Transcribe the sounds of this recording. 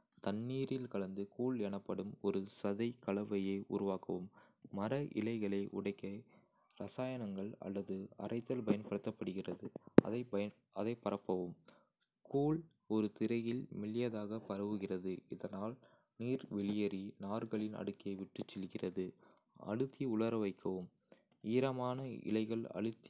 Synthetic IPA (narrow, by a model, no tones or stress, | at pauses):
t̪ɐnːiːɾɪlkɐɭɐnd̪ɯkuːɭɛɳɐpːɐɽɯmɔɾɯsɐðɐɪkɐɭɐʋɐjɐːʔʊ̰ɾʊʋaːkɐʋɯmːɐɾɐʔɪ̰lɐɪɣɐɭɐɪʔʊ̰ɽɐɪkːɐ | ɾɐsaːjɐnɐŋɡɐɭɐ̰lːɐðɯɐ̰rʔɐɪt̪ːɐlpɐjɐnpɐɽɐt̪ːɐpːɐɽɯɣɪrɐðɯɐ̰ðɐɪ | ɐðɐɪpːɐɾɐpːɐʋɯm | sskuːɭ | ɔɾɯt̪ɪɾɐjɪlmɪlɪjɐðaːɣɐpɐɾɐʋɯɣɪrɐðɯɪðɐnaːl | niːɾʋɛɭɪjɐɾinaːɾɣɐɭɪnɐ̰ɽɯkːɪjɐɪʋɪʈːɯt͡ʃːɛlɣɪrɐðɯ | ɐ̰ɽɯt̪ːiʊɭɐɾɐʋɐɪkʰːɐʋɯm | iːɾɐmaːnɐɪ̰lɐɪɣɐɭɐ̰ɽɯt̪ː